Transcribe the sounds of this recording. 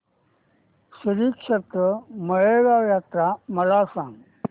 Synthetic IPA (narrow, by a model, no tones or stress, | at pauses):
siɾiːkʂɐt̪ɾəmɐɭeːɡajaːt̪ɾamɐlaːsãːŋɡ